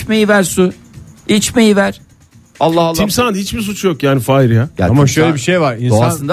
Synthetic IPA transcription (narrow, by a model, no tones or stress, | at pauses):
mejivæɾsu | it͡ʃmejivæɾ̥ | alˠːahlˠːʰimsand̪hit͡ʃbis̬ut͡ʃjo̞kjaːnifaːiɾjaa̰maʃøjlʲɛbiʃejvaɾinoasɯnd̪a